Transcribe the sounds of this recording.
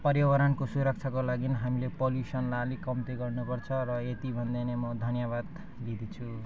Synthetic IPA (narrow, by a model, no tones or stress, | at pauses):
pʌrjʌwʌɾʌnkosuɾʌk̚t͡sʰakolaɡinɦamilepoljusʌnlalikʌmt̪eɡʌrnupʌrt͡sʰʌrʌet̪ibʱʌnd̪ajnemʌd̪ʱʌnjaβad̪ | lid̪ʱit͡sʰu